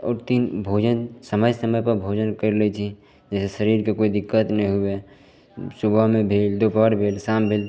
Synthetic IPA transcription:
ɔ̰ːɾt̪iːnbʱoːd͡ʒənsəməjsəməjpəɾbʱoːd͡ʒənkəɾlet͡ʃʰi | d͡ʒɛːsesəɾiːɾkekoːid̪ɪkːət̪nɦĩɦʊe | sʊbʱamẽbʱeːld̪oːpaːɾbʱeːlsaːmbʱeːl

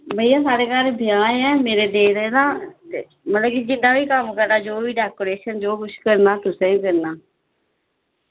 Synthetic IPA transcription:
məijãːsaːɽeːkəɾbɪjãːnɛːmeːɾeːd̪eːɾed̪ãːe | mət̪ləbkid͡ʒɪnd̪aːʋiːkəmkəɾnaːd͡ʒoːʋiːɖɛːkoːɾeːʃənd͡ʒoːkʊt͡ʃʰkəɾnaːt̪ʊsẽːĩːkəɾnaː

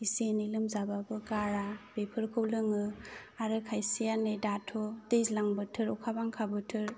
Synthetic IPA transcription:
isenilɯmzababɯɡaɾabɾepʰɯɾkʰɯwlɯŋɯaɾɯkʰajsijanedatʰodejzlaŋbɯtʰɯɾɔkʰabaŋkʰabɯtʰɯɾ

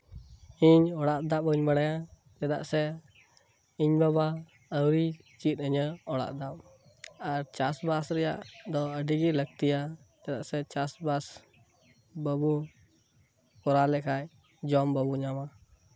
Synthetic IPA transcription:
iɲɔɽaʔd̪apəɲbəɽaja | d͡ʒɛd̪a̰ʔsɛ | iɲbaβa | əwɾi | t͡ʃit̪̚əɲəɔɽa̰ʔd̪ap | aɾt͡ʃasbasɾɛja̰ʔd̪ɔəɖiɡiləɡ̚t̪ija | d͡ʒɛd̪aʔsɛt͡ʃasbas | bəbu | kɔɾalɛkʰaj | d͡ʒɔmbəbuɲama

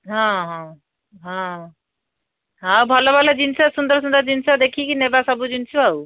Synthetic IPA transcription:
ɦɔ̃ɦɔ̃ | ɦɔ̃ | ɦãwbʱɔlobʱɔlad͡ʒinsasund̪əɾsund̪əɾd͡ʒinsad̪ekʰikinebasɔbud͡ʒinsʰuaw

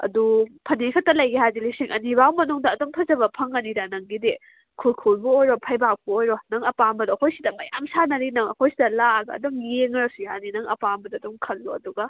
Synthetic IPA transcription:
ɐ̰dupʰɐnekʰɐtːɐlɐjɡihazilisiŋʔɐ̰nibawmɐnuŋdɐːdɔŋtʰɐzɐbɐpʰɐŋːɐniɾanɐŋɡide | kʰulkʰulbɐojɾopʰɐjbak̚bɐojɾɔnɐŋɐpambɐdɐːkʰojsidɐmɐja̰msanɐɾinɐŋɐkojsidɐlaɡɐɐ̰dɔŋjeŋɾɐsujaninɐŋɐ̰pambɐdɐːdɔŋkʰɐlːoɐduɡɐ

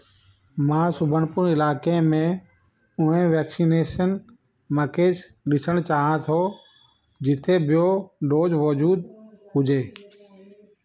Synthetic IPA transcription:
mãːsʊbʱənpʊnɪlaːkemẽ | ʊɦẽʋɛːksineːʃən | məkeːs | ɗɪsəɽ̃t͡ʃaːɦãt̪ʰo | d͡ʑɪt̪ʰebʱɪjoɖoːd͡ʒʋɔd͡ʒuːd̪ɦʊd͡ʒeː

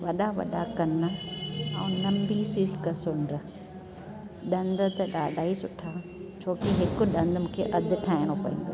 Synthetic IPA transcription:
ʋɐɗaʋɐ̰ɗakɐnəɐ̰̃nɐmbisiːlkɐsʊɳɖɾə | ɗɐ̃nd̪̆t̪ɐɗaːɖʱaːisʊʈʰa | t͡ɕʰoːkiɦɪkʊ̆ɗɐ̃nd̪mũːkʰeʔɐd̪ʱʊ̆ʈʰaːɪɽ̃opɐḭ̃ːnd̪oː

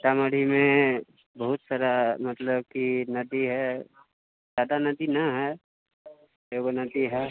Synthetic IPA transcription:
ʈ̪aːməɽ̤ʱimẽ | bəɦʊt̪saːɾamət̪ləbkinɐd̪iɦɛ | d͡ʒaːd̪anɐd̪inɐɦɛ | eɡnəd̪iɦɛ

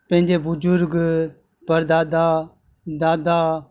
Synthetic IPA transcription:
pə̃ɦɪ̃nd͡ʒeːbʊd͡ʒʊɾɡ | pəɾd̪aːd̪aː | d̪aːd̪aː

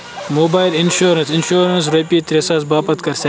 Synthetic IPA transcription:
moːbaːjlinʃoːɾɐnsinʃoːɾɐns̬ɾepiːt̪ɾesaːsbaːpɐt̪kɐɾsɐ

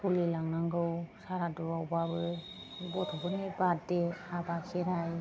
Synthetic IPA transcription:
kulilaŋnaŋɡɯwsaɾadɔawbabɯ | bɔtʰɔbɯnibatdeabakʰeɾaj

